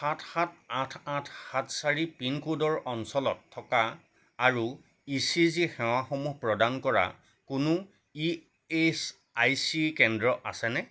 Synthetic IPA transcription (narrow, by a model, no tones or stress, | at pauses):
xatʰxatatʰatʰxatʰsaɹipinkudɔɹʔɔnsɔlɔtʰːɔkaː | ɹu | isizixɛw̃axomuɦpɹɔdankɔɹa̰ | kʊnʊ | i | es | ajsikɛndɹɔʔa̰sɛnɛ